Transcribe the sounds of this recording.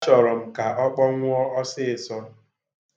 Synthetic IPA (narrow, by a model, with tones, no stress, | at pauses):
t͡ʃɔ˨ɾɔ˨m̩˨ka˨ʔɔ˦k͡pɔ˦ŋʷ˦ɔ˦ɔ˦sɪ˦˨sɔ˦